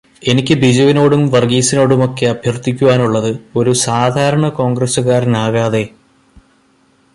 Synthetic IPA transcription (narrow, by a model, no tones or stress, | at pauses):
e̞nikʲːɨbid͡ʑɐʋino̞ːɽumʋɐrɡiːsino̞ːɽumo̞kːe̞ɐbʱjɐrt̪ikʲːuʋaːnuɭːɐðɨo̞ɾusaːd̪ʱaːɾɐɳɐko̞ːŋɡrɐsuɣaːɾinaːɣaːðe̞